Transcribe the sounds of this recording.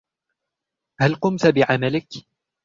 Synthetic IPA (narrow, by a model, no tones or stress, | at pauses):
halqʊmt̪abɪʕamalɪk